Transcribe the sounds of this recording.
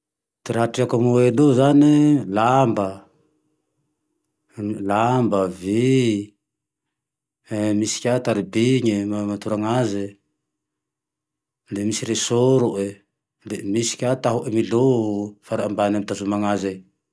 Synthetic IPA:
t̪iɾaʈ͡ʂiakamueluzanilambə | lambəvi | misi̥kʲat̪aɾibiɲəmamat̪uɾaŋaze | lemisiɾesoɾuʔe | lemisi̥kʲat̪aɦuʔemilofaɾaambanamit̪azumaŋaze

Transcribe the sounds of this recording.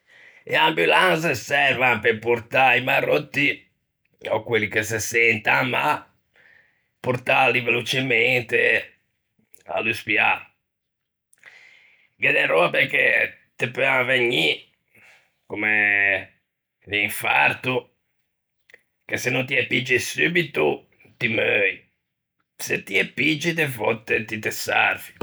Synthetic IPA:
ɛambulanzesɛɾvampeɾpuɾt̪aimarːot̪ːi | ɔ̰kwelːikes̬esɛnt̪amːa | puɾt̪alivelot͡ʃement̪e | a̰lːuspja | ɡɛd̪ɛɾɔapeɾkːe | t̪epøaveɲːi | kume | liɱfa̰ɾt̪u | kesenunt̪iɛpːid͡ʒːisybit̪u | t̪imøj | set̪iɛpːid͡ʒːit̪evɔt̪ːet̪it̪esa̰ɾvi̥

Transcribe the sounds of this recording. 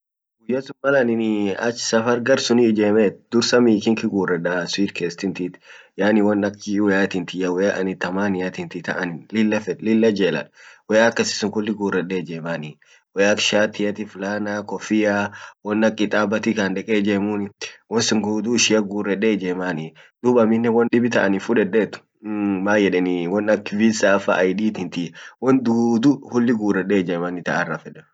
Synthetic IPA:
ɡʊjːɐsʊnmɐlɐnɪnɪɐ̰t͡ʃːsɐfɐɾɡɐɾsʊnid͡ʒeːmeːt̪d̪̥ʊɾsɐmiːkɪŋkɪɡuːrɛᶑaswiːd̪keːst̪ɪnt̪it̪jaːnɪwɐnːɐkːɪwɛjaːt̪ɪnt̪ɪjɐwɛjaʔɐnɪt̪ɐmaːnɪjɐt̪ɪnt̪ɪt̪ɐ̰ʔɐnɪnlɪlːɐfɛlɪlːɐd͡ʒeːlɐ̰ᶑwɛjaːkːɐsɪ̥sʊŋkʊlːɪɡuːrɛɗeːd͡ʒeːmaːni | wɔjakʃaːt̪ɪjɐt̪ɪfʊlaːnakɔfɪjawɔnːɐkʼːɪt̪ʼaːbɐt̪ɪkɐnd̪ɛkʼeːd͡ʒeːmunɪwɔnsʊŋɡuːd̪uːɪʃɪjɐɡuːrɛɗeːd͡ʒeːmaːnɪ | d̪̥ubɐmɪnːɛwɔnᶑɪbɪt̪ɐʔɐnɪfʊᶑɛᶑeːt̪ʊ̥ | maːjɛᶑɛniwɔnːɐkːɪvisaːfa̰ʔːjdiːt̪ɪnt̪ɪwɔnd̪uːd̪uhʊlːɪɡuːrɛɗeːd͡ʒɛːmaːnɪt̪ɐʔɐrːafɛᶑɛ

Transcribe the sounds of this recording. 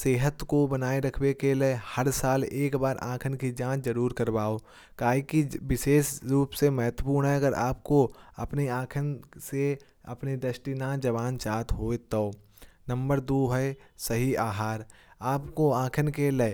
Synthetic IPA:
seːɦət̪kobɐnaːeɾɐkʰwekelehɐɾsaːleːkbaːɾʔã̰ːkʰənkid͡ʒãːt͡ʃzəɾuːɾkɐɾbaːo | kaːɦikiʋɪʃeːʃɾuːpsemɦət̪wəpuːɾɳɦɛɐɡəɾa̰ːp̚koɐ̰pniãːkʰənse | ɐ̰pnid̪əʃʈinad͡ʒɐʋaːnt͡ʃaːt̪ɦoːet̪əo | nɐ̃mbəɾd̪oːɦɛsɐɦiaːɦaːɾ | aːpkoãːkʰənkele

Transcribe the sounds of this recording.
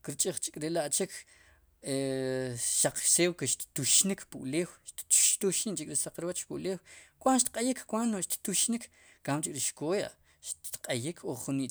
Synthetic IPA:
kiɾt͡ʃʼiχt͡ʃi̥kʼɾelaʔt͡ʃikʰ | e | ʃaq͡χseːwkeʃt̪t̪uʃnikʰpṵʔleːwʃt̪ʃt̪uʃint͡ʃikʼɾisaq͡χɾwat͡ʃpuʔleːwkwanʃt̪̚qʼajikʰkwanoʃt̪t̪uʃnik | kamt͡ʃikʼɾiʃkoːja̰ʔ | ʃt̪qʼajikʰoχχuniʔ

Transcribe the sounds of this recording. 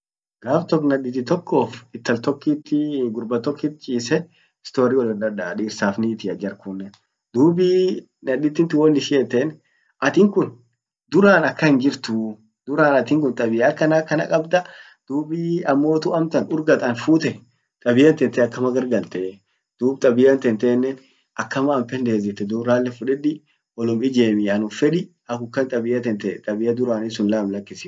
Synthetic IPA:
ɡ̥aːft̪ɔkːnɐᶑɪt̪ːɪt̪ɔkʰːo̞ːfɪt̪ːɐlt̪ɔkːiːt̪ːɪɡʊɾbɐt̪ɔkʰːɪt̪t͡ʃʼiːsɛ | ɪst̪o̞ːɾiːwɔlɐd̪ɐᶑɐᶑiːɾsaːfniːt̪ɪɐd͡ʒɐɾkunːɛ | d̪uːbiː | nɐᶑɪt̪ːɪnt̪ːɪwɔnːɪʃɪɛt̪ɛn | ʔɐt̪ɪŋkʊn | d̪ʊɾaːnɐkːɐhɪnd͡ʒɪɾt̪ʊ | d̪ʊɾaːnɐt̪ɪŋk̬ʊnt̪ʼɐbɪjɐkːɐnɐkːɐnɐ̰kʼɐbd̪ɐ | d̪̥uːbiɐmːo̞ːt̪ʊɐmt̪ɐnʊɾɡɐt̪ʼɐnfuːt̪ɛ | t̪ʼɐbɪjɐnt̪ɛnt̪ɛɐkːɐmɐɡɐɾɡɐlt̪ɛ | d̪̥uːb̚t̪ʼɐbɪjɐnt̪ɛnt̪ɛːnːɛn | ɐkːɐmɐːmpɛnd̪e̞ːzɪt̪ːɛd̪uːbɾaːlːɛfʊᶑɛᶑɪ | ɔlʊmɪd͡ʒeːmɪjɐnʊfɛᶑɪ | ɐkʊkːɐnt̪ʼɐbɪjɐt̪ɛnt̪ɛt̪ʼɐbɪjɐd̪ʊɾaːnɪsʊnlaːmlɐkːɪsɪ

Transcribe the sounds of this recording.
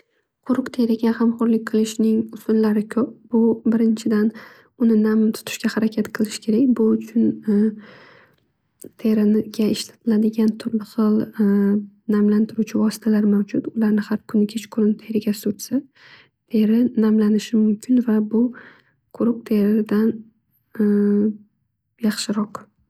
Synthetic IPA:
qʰʊɾʊqt̪ʰe̞ɾɪɡʲahamχʊɾlɪk̚ʲqʰɨlˠɪʃnɪŋʊsʊnlaɾɪkʲʰɵp̚bʊbɪɾɪnt͡ʃʰɪd̪an | ʊnɪnamt̪ʰʊ̥t̪ʰɪ̥ʃkʲahaɾakʲʰat̪qʰɨlˠɪʃɪ̥kʲʰe̞ɾakʲbʊʊt͡ʃʰʊn | t̪ʰe̞ɾɪnɡʲaɪʃlat̪ʰɪlad̪ɪɡʲant̪ʰʊɾmɪsɒlˠ | namlant̪ʰɪɾut͡ʃʰɪvɒsɪ̥t̪ʰalaɾmawd͡ʒʊt̪ʊlaɾnɪhaɾkʰʊnɪkʲʰet͡ʃqʰʊɾɪnt̪ʰe̞ɾɪɡʲasʊɾsa | t̪ʰe̞ɾɪnamlanɪʃɪmʊmkʲʰɪnvabʊ | qʰʊɾʊq̚t̪ʰe̞ɾɪd̪an | jɑχʃɪɾɒq

